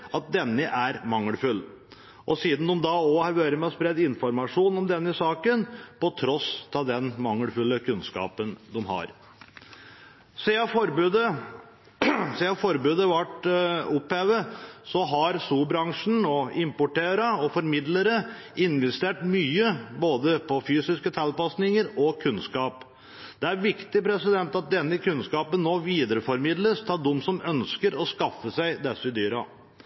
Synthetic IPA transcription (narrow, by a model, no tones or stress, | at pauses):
ɑt̪̚d̪ɛnːəʔæɾmɑŋːəlfʉlː | ʔɔsiːd̪n̩d̪ʊmd̪ɑɔhɑɾʋøːɾəmɛɔspɾɛd̪ɪnfɔɾmɑʂuːnɔmd̪ɛnːəsɑːkənpɔt̪ʰɾɔst̪ʰɑd̪ɛnmɑŋːəlfʉlːəkʰʉnskɑ̰ːpənd̪ʊmɦɑ̰ɾ | seɑfɔɾbd̪ə | seːɑfɔɾbøːd̪əʋɑʈʊpheːʋəsɔɦɑɾsuːbɾɑŋʂɳ̩noːɪmpʊʈeːɾəɔfɔɾmɪd̪ləɾə | ɪnʋɛst̪eːʈmyːəboːd̪əpʰɔfyːsɪskət̪ʰɛlpɑsnɪŋəɾɔkʰʉnskɑːp | d̪̥ɛæɾʋɪkt̪ɪpɾɛsɪd̪ɛnt̪ɑt̪̚d̪ɛnːəkʰʉnskɑːpənnːoːʋiːd̪əɾəfɔɾmɪd̪ləst̪ʰɑːd̪ʊmːsɔmœnskəɾɔskɑfːəsæɪd̪ɛsːəɪd̪yːɾɑ̰